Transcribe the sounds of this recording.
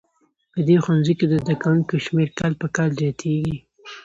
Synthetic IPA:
pəd̪exwanziked̪əzd̪akawuŋkoʃmeɾkalpəkɑlzjɑt̪ʰeɡi

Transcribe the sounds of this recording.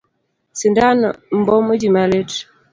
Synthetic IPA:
sindanm̩bɔmədimalet

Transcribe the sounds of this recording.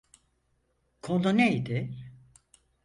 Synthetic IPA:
kʰolˠonejd̪ɪ

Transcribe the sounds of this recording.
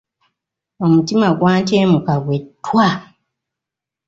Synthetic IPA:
o̞mutimaɡwaːnteːmukaɡwe̞tːwa

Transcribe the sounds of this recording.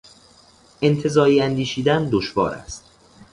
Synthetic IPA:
ʔe̞nt̪ʰe̞zɒːiːænd̪iːʃiːd̪ænd̪oʃvɒ̰ːɾæ̰st̪̚

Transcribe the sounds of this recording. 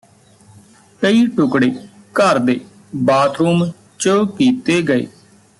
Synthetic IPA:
kəiːʈʊkɽeː | kəɾd̪eː | baːt̪ʰɾuːm | t͡ʃəkiːt̪eːɡəḛː

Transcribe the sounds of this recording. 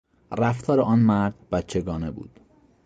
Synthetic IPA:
ræft̪ʰɒːɾeʔɒːnmæɾd̪̥bæt̪t͡ʃʰe̞ɡɒːnebṵːd̪̥

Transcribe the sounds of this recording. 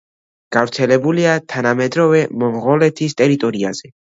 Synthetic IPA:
ɡ̥avɾt̪sʰɛlɛbuliat̪ʰanamɛd̪ɾɔvɛmɔmʁɔlɛt̪ʰist̪ʼɛɾit̪ʼɔɾiaz̥ɛ

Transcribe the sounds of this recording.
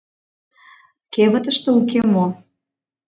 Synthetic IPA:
keβə̆t̪ə̆ʃt̪ĕukemo

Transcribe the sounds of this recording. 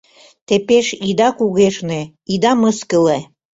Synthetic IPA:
t̪epeʃid̪ɑkuɣeʃne | id̪ɑməskəle

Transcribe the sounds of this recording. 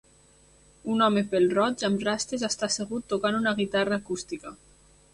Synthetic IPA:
unɔmepelˠrɔd͡ʒamrast̪ɾezast̪aseɣ̞ut̪ːokanunaɣ̞it̪araːkust̪ika

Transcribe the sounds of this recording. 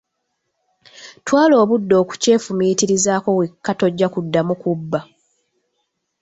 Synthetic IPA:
twaːlo̞ːβudːo̞ːku̥ce̞ːfumitiɾizaːko̞wekːato̞ɟːakudːamukubːa

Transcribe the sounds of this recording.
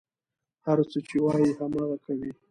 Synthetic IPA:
haɾt͡sət͡ʃewɑjihamɑɣakawi

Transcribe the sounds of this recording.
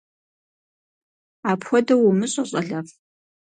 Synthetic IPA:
aːpxʷɔdɐwʊmɨɕʼɐɕʼɐɮɐf

